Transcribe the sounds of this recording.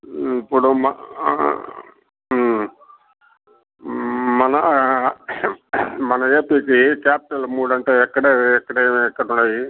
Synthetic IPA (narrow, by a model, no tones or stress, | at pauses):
ipːuɽumɐ | mɐnɐ | mɐnɐeːpiːkikaːpiʈɐlmuːɽɐɳʈeɛkːɐɽeːɛkːɐɽeːɛkːɐɽuɳɖaːji